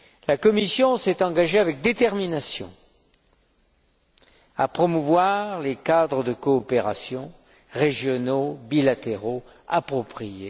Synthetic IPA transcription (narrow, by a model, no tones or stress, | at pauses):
lakɔmisjɔ̃sɛt̪ɑ̃ɡaʒeavɛk̚d̪et̪ɛʁminasjɔ̰̃ | a̰pχɔmuvwaʁlekad̪ʁəd̪əkɔːpeʁasjɔ̃ | ʁeʒjɔnobilat̪eʁo | a̰pχɔpχije